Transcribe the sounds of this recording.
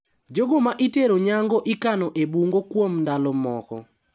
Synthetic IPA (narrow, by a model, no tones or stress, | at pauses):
d͡ʒoɡomaʔiteɾoɲaŋɡɔʔɪkanɔʔebuŋɡokwomndalɔmɔkɔ̰